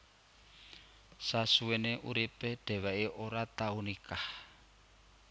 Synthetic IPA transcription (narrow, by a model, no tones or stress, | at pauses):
sasueneʔuɾipeɖ̥e̤waʔiʔoɾat̪aunikah